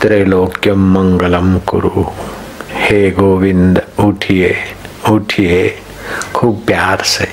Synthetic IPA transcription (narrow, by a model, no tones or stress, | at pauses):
t̪ɾeloːkjɐmːɐŋɡəlɐmkʊ̰ɾu | heːɡoːʋind̪uʈʰieuʈʰiɦe | kʰuːb̚pjaːɾse